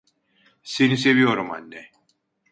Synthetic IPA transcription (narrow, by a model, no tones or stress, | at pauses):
senise̞vijo̞ɾuma̰nːɛ